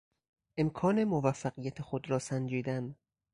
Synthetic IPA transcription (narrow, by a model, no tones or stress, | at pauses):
ʔe̞mkʰɒːne̞movæfːæɢijæt̪ʰexod̪ɾɒːsænd͡ʒiːd̪æn